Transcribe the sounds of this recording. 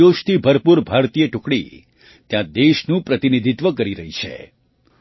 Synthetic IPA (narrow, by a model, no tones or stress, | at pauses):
oʃt̪ʰibʱəɾpuɾbʱaɾt̪ijeʈʊkɽḭ | t̪jãd̪eʃnũpɾət̪inid̪ʱit̪ʋəkəɾiɾəɦit͡ʃʰḛ